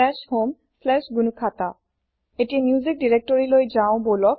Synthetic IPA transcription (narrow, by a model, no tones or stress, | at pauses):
ɛʃhom | fʰlɛʃɡunukʰat̪a | etiamjuzik̚diɹek̚tɔɹilojzaʊ̃bolɔk̚